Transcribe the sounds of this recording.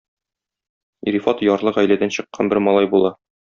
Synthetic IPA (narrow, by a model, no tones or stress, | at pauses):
ḭɾifɑt̪jɒɾlˠɤʁæjlæd̪ænɕɤ̆qːɑnbɘɾmɒlˠɑjbulˠɑ